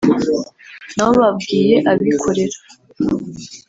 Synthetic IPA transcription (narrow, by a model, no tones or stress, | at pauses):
nawoβabɡiːje̞ʔaβikʰo̞ɾe̞ɾḁ